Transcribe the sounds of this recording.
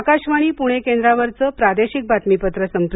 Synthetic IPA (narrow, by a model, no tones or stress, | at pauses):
kaɕʋaɽ̃iːpuɽ̃ekẽnd̪ɾaʋəɾt͡səːpɾad̪eɕik̚bʱat̪mipət̪ɾəsəmpɾ